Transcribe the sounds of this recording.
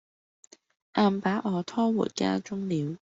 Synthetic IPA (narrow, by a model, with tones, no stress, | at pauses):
ʔaː˧mpaː˨˥ʔɔː˨˧t̪ʰɔː˥wṵː˨˩t̚ka̰ː˥t͡ʃʊ˥ŋliː˨˧w